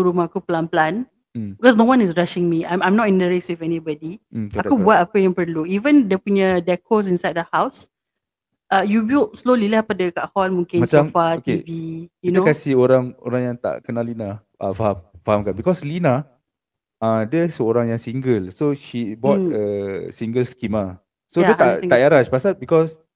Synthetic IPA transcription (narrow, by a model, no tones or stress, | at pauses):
uɾumaakuplãnplãn̩ | bikɔs̬nowãnisɹaʃĩŋmiãjmãjmnɔtĩndəɹɛswifɛnibɔdiakubuat̚apəjə̃ŋpəluivə̃ndɛpuɲədɛkʰos̬ĩnsajd̚əhaws | ʔajubiltslolilapadəka̰ʔhɔlmũŋkɪ̃nmaamfaotkvijuinokasioɾaŋo̰ɾaŋjaŋt̪a̰ʔkənalinaʔa̰fahamfahamkanbikɔslina | ãdiəsəoɾaŋjaŋsiŋɡəlsoʃibɔt̚əsiŋɡəlskima | soət̪aaʔjaɾaʃpasalbikɔs